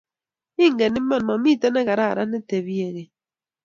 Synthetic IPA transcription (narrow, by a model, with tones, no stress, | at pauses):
i˦ŋ˨ɡe˨ni˦mɔ˦˨n˨mɔ˨mi˦˨te˦nɛ˦ɣa˨ɾa̰˦˨ɾa˦ne˦te˨bi˦e˨ɣe˨